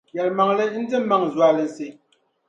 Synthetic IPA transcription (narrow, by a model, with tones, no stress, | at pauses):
jɛ˨lma˨ŋlɨ˦n̩˦dɨ˦ma˦ŋzwa˨lɨ˨n̩˨se˨